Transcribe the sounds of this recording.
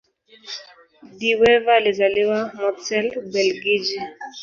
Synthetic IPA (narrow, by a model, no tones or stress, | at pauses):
diwɛvalezaliwamɔtɛlbɛlɡid͡ʒi